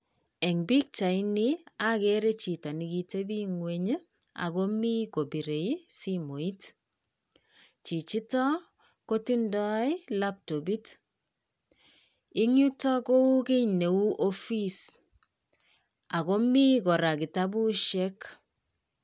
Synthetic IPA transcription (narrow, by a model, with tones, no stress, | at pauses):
ɛ˨ŋbi˦k̚t͡ʃa˨i˦nia˦keɾe˦t͡ʃi˨tɔ˨ni˦ki˨te˦bi˦ŋweɲə˦ | a̰˨ko˦mi˦ko˨bi˨ɾe˨i˦simo˨i˦t | t͡ʃi˨t͡ʃi˦tɔ˦ | ko˦ti˦ndɔ˦i˦lap̚to˨bi˦t | ɪ˦ŋu˦tɔ˦ko˦u˦ke˦ne˨u˦ʔo˦fi˦s | a˨ko˦mi˦kɔ˨ɾa˨ki˨ta˦bu˦ʃɛ˦k